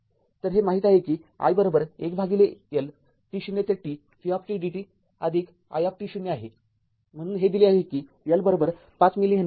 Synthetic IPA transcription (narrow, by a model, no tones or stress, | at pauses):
t̪əɾɦemaɦiːt̪aɦekiːa̰jbəɾobəɾekbʱaɡilejəl | ʈiɕunːet̪eʈːiː | fiap̚ʈiɖiʈiː | ad̪ʱik | a̰jap̚ʈiɕunːeaɦe | m̤əɽ̃uːnɦed̪ileaɦekiː | jəlbəɾobəɾ | pat͡smiliɦən